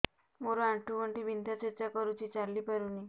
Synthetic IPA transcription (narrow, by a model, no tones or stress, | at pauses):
moɾoaʈukəɳʈibʱind̪at͡ɕet͡ɕakɔɾut͡ɕit͡ɕalːipaɾuni